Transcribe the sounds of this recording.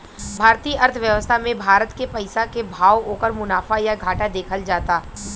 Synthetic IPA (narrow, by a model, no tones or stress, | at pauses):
bʱaːɾt̪iːʔɐɾt̪ʰʋjəʋəst̪ʰamẽbʱaːɾət̪kepɐɪsakebʱaːwoːkəɾmʊnaːfajaɡʱaːʈad̪eːkʰəld͡ʒaːt̪aː